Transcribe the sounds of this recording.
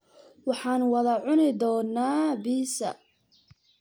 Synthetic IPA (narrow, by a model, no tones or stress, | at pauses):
wɑħɑːnwɑðɐʕʊnɪd̪ɔːnːaːbiːsɐ̰